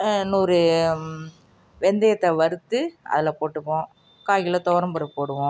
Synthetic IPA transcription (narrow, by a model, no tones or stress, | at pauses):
nuːɾɯ | ʋɛnd̪ɛjɐt̪ːɐʋɐɾɯt̪ːɯɐ̰ðɪlɐpoːʈːɯpːõː | kaːjɣɪlɐt̪ɔʋɾɐmpɐɾɯpoːɽɯʋõː